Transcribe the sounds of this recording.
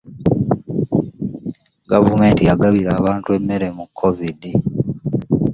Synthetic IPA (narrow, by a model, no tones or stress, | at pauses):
ɡavume̞ːntijaɡaβiɾaːβaːntue̞mːe̞ɾe̞mukʰːo̞vidi